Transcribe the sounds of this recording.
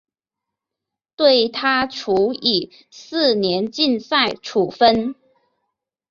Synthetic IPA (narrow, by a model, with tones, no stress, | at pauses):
t̪we˥˩ɪt̪ʰa˥ʈ͡ʂʰu˧˥i˨˩ | sɹ̩˥˩njɛ˧˦˥nt͡ɕi˥˧nsa˥˩ɪʈ͡ʂʰu˨˩fə˥n